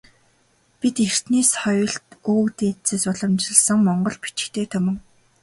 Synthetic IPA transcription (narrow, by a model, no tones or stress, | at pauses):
pit̪er̥t̪neːsχɔjɞ̆ɬt̪uːkt̪et͡seːsʊɮɞ̆mt͡ɕɪ̆ɮsə̆ŋmɔɴɢɞ̆ɮpi̥t͡ɕɪ̥̆kt̪eːt̪ʰɵmɘ̆ŋ